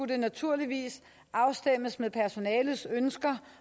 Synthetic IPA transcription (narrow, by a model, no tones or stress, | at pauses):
ud̥ənæt͡sʰuɐ̰liʋḭːs | ʔɑ̈ʊsd̥em̰əsmeðˠpʰæɐso̝nɛːləsønsɡ̥ɐ